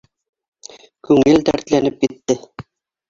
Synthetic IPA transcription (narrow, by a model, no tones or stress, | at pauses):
kʉŋɘlt̪æ̰ɾt̪lænɘp̚kit̪ːɘ